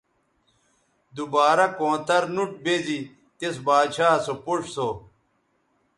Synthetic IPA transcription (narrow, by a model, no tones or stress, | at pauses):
d̪ubaːɾɐkõːt̪ɐɾnuʈ̚bezi | t̪esbaːd̪ɕaːsopuʂso